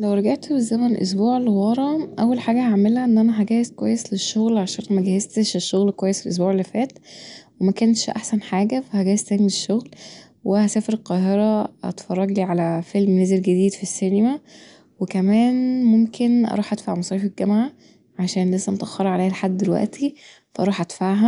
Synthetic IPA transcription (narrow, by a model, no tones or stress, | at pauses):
læwɾˤɑɡaʕt̪bezæmænʔo̰s̬buːʕelewɑɾˤɑʔæwːælħaːɡæhaʕmelæʔenːʔænæɦæɡæːjezkwæjːesleʃːoɣlʕaʃæːnmæɡæhezt̪eʃeʃːoɣlkwæjːeselʔo̰s̬buːʕelːifæːt̪wemækænʃʔa̰ħsænħaːɡæfæhæɡæjezt̪æːnieʃːoɣl | wehæsæːfeɾelqɑːɦeɾæɑ̰t̪fɑrˤːɑɡliːʕalæfelmneːzelɡed̪iːd̪fisːenemæ | wekæmæːnmomkʰenʔɑ̰ɾˤuːħʔæd̪̥fa̰ʕmɑsˤɑjːfelɡæmʕa | ʕaʃæːnlesːæmt̪ʔɑxːɑɾˤɑʕaleːhælħad̪ːelwæ̰ʔt̪ʰi | fæʔɑɾˤuːħʔæd̪̥faʕɦæ